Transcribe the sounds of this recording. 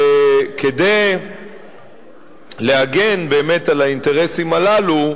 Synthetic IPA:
ked̪ej | le̞aɡe̞nbe̞ːme̞talainte̞ʁe̞simalalu

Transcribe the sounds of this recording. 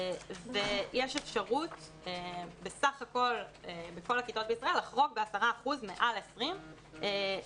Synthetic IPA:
vejeʃefʃaʁut̪ | ebesaχako̞lebeko̞lakit̪o̞t̪̚beisʁae̞lːaχʁo̞kbeasaʁaːχuzmeʔalesʁim | e

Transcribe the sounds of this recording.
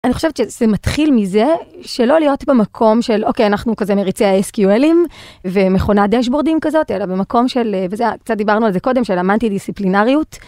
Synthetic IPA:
ʔaniχo̞ʃevetʃez̥ematχilmize̞ʃelo̞lijo̞tbemakʰo̞mʃelokejanaχnukazemeʁit͡sejaeskjuelimvemeχo̞nadeʃ̬bo̞ʁdimkazo̞telabemako̞mʃe̞lvezeakt͡sat̚d̪ibaʁnualzeko̞de̞mʃelamantidisiplinaʁijut

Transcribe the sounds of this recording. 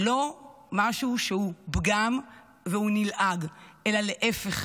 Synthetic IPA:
lo̞ | maʃuʃehubɡam | vehunilʔaɡʔelaleʔefeχ

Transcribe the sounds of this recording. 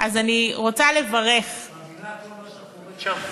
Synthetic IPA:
ʔazaniʁo̞t͡sale̞vaʁef

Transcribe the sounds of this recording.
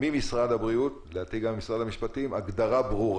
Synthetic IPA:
mimisʁad̪habʁiut̪ | leat̪iɡamːisʁad̪amiʃpat̪imaɡd̪aʁabʁuʁ

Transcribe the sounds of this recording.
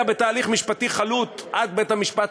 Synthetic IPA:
abe̞t̪aːliχmiʃpat̪iχalut̪ʔad̪bethamiʃpat

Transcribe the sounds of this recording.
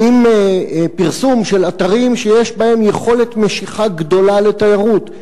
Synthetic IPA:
imepiʁsumʃelat̪aʁimʃejeʃbae̞mje̞χo̞let̪me̞ʃiχaɡd̪o̞lalet̪ajaʁut

